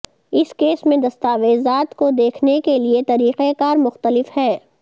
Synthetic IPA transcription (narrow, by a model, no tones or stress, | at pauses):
ɪskeːsmẽd̪ɐst̪aːʋeːzaːt̪kod̪eːkʰnekeliet̪ɐɾiːqekaːɾmʊxt̪əlɪfhɛː